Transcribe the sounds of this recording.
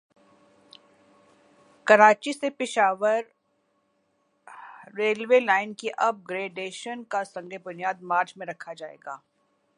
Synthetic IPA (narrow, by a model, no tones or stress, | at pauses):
kɐɾaːt͡ʃisepɪʃaːʋəɾ | eːlʋeːlaːɪnkiʔɐb̚ɡɾeːɖeːʃənkasɐ̃ŋɡebʊnijaːd̪̚maːɾt͡ʃmẽɾɐkʰad͡ʒaːḛːɡaː